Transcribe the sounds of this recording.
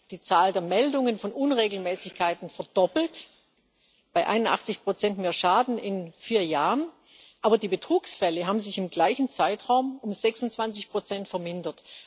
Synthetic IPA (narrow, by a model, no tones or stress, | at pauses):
d̥iːt͡saːldeːɐmɛldʊŋənfɔnʔʊnʁeːɡl̩mɛːsɪçkʰaɪtn̩fɛɐdɔpl̩t | b̥aɪʔa̰ɪnʊntʔa̰χt͡sɪçpʁ̥ot͡sɛntmeːɐʃaːdn̩ɪnfiːɐjaːʁən | ʔaːbɐdiːbətʁ̥uːksfɛləɦaːbm̩zɪçɪmɡlaɪçn̩t͡saɪtʁ̥aʊmʊmzɛksʊntt͡sv̥ant͡sɪçpʁ̥ot͡sɛntfɛɐmɪndɐt